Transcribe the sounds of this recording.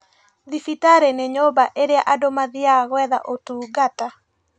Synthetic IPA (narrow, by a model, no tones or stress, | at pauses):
ðifitaɾeneɲobaʔeɾjaʔadomaðiaɣwɛða̰ʔotuɡata